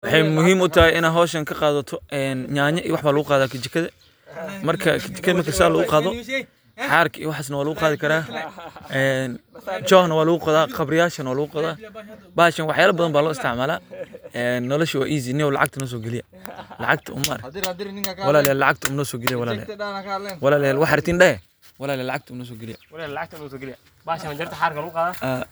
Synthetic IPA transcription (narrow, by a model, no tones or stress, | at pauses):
wɑħɑjmʊɦiːmʊt̪ʰɐɦɛɪnaːɦɔːʃɐŋkʰɐqɑːðɐt̪ʰɔɛːnɲaːɲɐʔḭːwɑħbaːlɐɣʊqɑːðaːkʰɪt͡ʃɪkʰːɐðɐ | mɐrkʰɐkʰɪt͡ʃɪ̥kʰɐðɐmɐrkʰɐsaːlʊɣʊqɑːðɔ | ħɑːrkʰɐḭːwɑħaːs̬nɐwaːlʊɣʊqɑaːðɪkʰɐɾaːʔɛːnd͡ʒɔːhnɐwaːlʊɣʊqɔðaːqɑbɾɪjaːʃɐnɐwaːlʊɣʊqɔðaːbaːʃɐnwɑħjaːlɐbɐðɐnmbaːlɔːɪst̪ʰɪʕmaːlaɛːnːɔlɔʃɪwa̰ːʔiːs̬inɪɔlɑ̰ʕɑ̰ɡ̚t̪ʰɐnɔːs̬ɔːɡɛlɪjɐ̰ | lɑ̰ʕɑɡt̪ʰɐʊ̰mɐɾ | wɑlaːlɛjaːlɑʕɑɡ̚t̪ʰɐʊmnɔːsɔːɡɛlɪjawɐlaːlɛja̰ | wɑlaːlɛjaːlwɑħɾt̪ʰiːnɗɛɛ | wɑlaːljaːlːʕɑɡ̚t̪ʰɐʊmnɔːs̬ɔːɡɛlɪja̰ʕt̪nːɔɡlj | baʃɐnd͡ʒɛɾt̪ʰɐħaːɾkɐlɣʊqaːðaa